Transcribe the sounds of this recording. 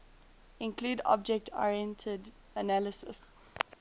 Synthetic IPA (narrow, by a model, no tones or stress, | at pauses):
ɪ̃nkʰluːdɔ̰b̚d͡ʒɛk̚tʰɔ̰ɹɛ̃ntʰəd | ənæləsə̰s